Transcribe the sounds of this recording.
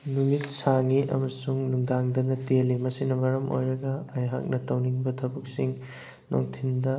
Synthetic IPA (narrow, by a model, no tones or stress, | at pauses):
numit̚saŋiʔɐ̰mɐsuŋnuŋdaŋdɐnɐtelːimɐsinɐbɐɾɐmʔo̰jɾɐɡɐːjɦa̰k̚nɐtɐwniŋbɐtʰɐbuk̚siŋ | no̰ŋtʰindɐ